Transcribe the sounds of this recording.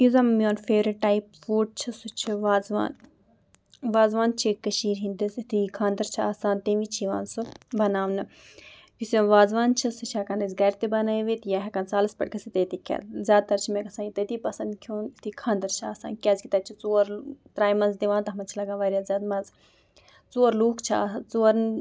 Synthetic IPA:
izɐmmijoːnfeːɾiʈːaːipfoːʈ̚t͡ʃʰisut͡ʃʰiʋaːzʋa̰ːn | ʋaːzʋaːnt͡ʃʰikɐʃiːɾɦĩnd̪isit̪ikʰaːnd̪ɐɾt͡ʃʰia̰ːsaːnt̪eʋit͡ʃʰiʋa̰ːnsɨbɐnaːʋnɨ | kisʲʋaːzʋaːnt͡ʃʰisut͡ʃʰɐːkanɐzʲɡɐɾʲt̪ibɐnaːiʋit̪jaɦʲɐkant͡saːlɐspɐ̰ʈ̚kɐsit̪ɐt̪ikʲɐ̰zʲaːd̪̚t̪ɐɾt͡ʃʰimekɐsaːnit̪ɐt̪iːpɐsɐnd̪kʲʰjoːnt̪ʰikʰãːnd̪ɐɾt͡ʃʰa̰ːsa̰ːnkʲazkʲit̪ɐt͡ʃʰit͡soːɾt̪ɾaːjmɐnzd̪iʋãːnt̪ɐɦmɐnt͡ʃʰilɐɡãːʋaɾʲjazʲaːd̪mɐz | t͡soːɾluːkt͡ʃʰia̰ːt͡soːɾn

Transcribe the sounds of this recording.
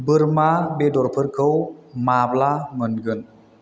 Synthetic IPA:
bɯɾmabedɔɾpʰɯɾkʰɯwmablamɯnɡɯn

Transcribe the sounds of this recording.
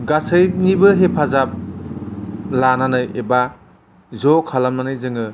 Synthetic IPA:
ɡasɯjnibɯɦepʰazap̚ | lananɯjeba | zɔkʰalamnanɯjzɯŋɯ

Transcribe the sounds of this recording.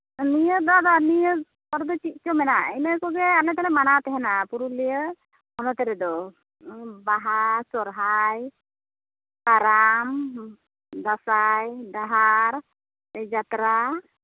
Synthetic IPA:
nijəd̪ad̪anijə | pɔɾd̪ɔt͡ʃit̪̚t͡ʃɔmɛnainekɔɡɛalɛt̪aɾɛmanat̪ɛɦɛnapuɾulijə | hɔnɔt̪ɛɾɛd̪ɔ | baɦasɔɾɦaj | kaɾam | d̪asajd̪aɦaɾ | ɛd͡ʒat̪ɾa

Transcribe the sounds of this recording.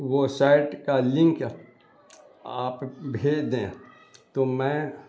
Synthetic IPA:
ʋosaːɪʈkalɪ̃ŋk | aːpbʱeːd͡ʒd̪ẽ | t̪omɛ̃ː

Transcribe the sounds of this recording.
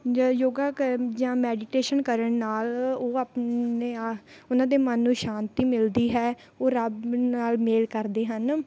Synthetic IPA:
d͡ʒjoːɡaːkəd͡ʒãːmɛːɖɪʈeːʃənkəɾəɳnaːloːaːpeːʊnãːd̪eːmənːũːʃãːnt̪iːmɪld̪iːɦɛː | oːɾəbnaːlmeːlkəɾd̪eːɦən

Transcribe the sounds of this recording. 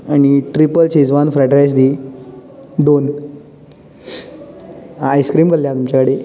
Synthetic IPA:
aɽ̃iʈɾipəlt͡ɕed͡zʋanfɾaʈɾajs̬d̪iː | d̪on | ajskɾiːmkʰəlljat̪umt͡ɕakaɽe

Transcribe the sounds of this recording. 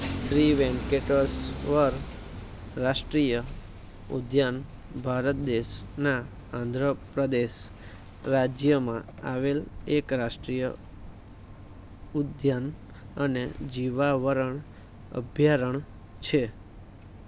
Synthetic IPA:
sɾiʋɛ̃ŋkeʈəsʋəɾ | ɾaʃʈɾijə | ṵd̪jan | bʱaɾət̪̚d̪eʃna | ãnd̪ʱɾəpɾəd̪eʃ | ɾad͡ʒjəmã̰aʋelekɾaʃʈɾijə̰ | ud̪jan | əned͡ʒiʋaʋəɾəɳ | ə̰bʱjaɾəɳ | t͡ʃʰe

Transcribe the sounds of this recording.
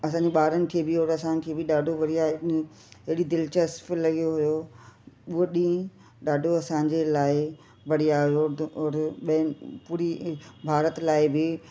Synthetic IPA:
ɐsãːɲd͡ʑeɓaːɾənɪ̆kʰeːbɪɦoːɾɐsãnɪ̆kʰeːbɪɗaːɖʱoʋɐɽijaɦ | ɦɪɽid̪ɪlt͡ɕəsfɪlɐɡijoɦʊjo | uoɗĩ | ɗaːɖʱoɐsãːɲ̆d͡ʑelaːɪ | bɐɽ̤iaːɦijoʊɾɓpuːɾibʱaːɾət̪laːɪbɪ

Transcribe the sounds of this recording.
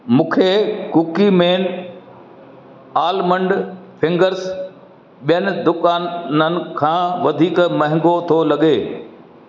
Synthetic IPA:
mũːkʰekukimeːn | aːlmə̃ɳɖpʰɪ̃ŋɡəɾs | ɓijənɪ̆d̪ʊkaːnnənɪ̆kʰãːʋɐd̪ʱiːkmɐ̃ɦɪ̃ŋɡot̪ʰolɐɠeː

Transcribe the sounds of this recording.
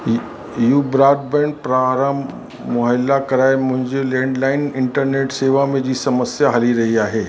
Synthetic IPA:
jubɾaːɖ̚bɛ̃ːɳɖ̚pɾaːɾaːm | mʊɦəlakɐɾaːemʊ̃ɦɪ̃ɲd͡ʑelɛ̃ːɳɖlaːɪnɪ̃ɳʈəɾneːʈseːʋamẽd͡ʑiːsɐməsjaɦɐliɾɐɦiaːɦeː

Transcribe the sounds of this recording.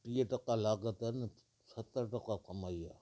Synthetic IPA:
ʈiːəʈəkalaːɡət̪ɛn | sət̪ːəɾʈəkakəmaːiaː

